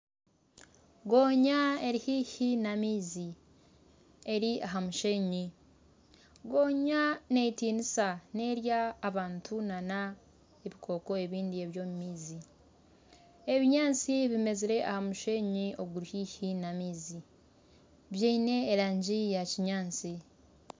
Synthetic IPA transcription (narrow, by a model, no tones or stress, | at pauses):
ɡo̞ːɲae̞ɾihiːhinamiːzi | e̞ɾiaɦamuʃe̞ɲi | ɡo̞ːɲane̞itiːnisane̞ːɾjaːβaːntʰunana | eβikʰo̞ːko̞e̞βiːndie̞βjo̞ːmumiːzi | e̞βiɲaːnt͡siβime̞ziɾe̞ʔahamuʃe̞ɲiʔo̞ɡuɾihiːçinamiːzi | βjaine̞ːɾaːɲɟijaciɲaːnt͡si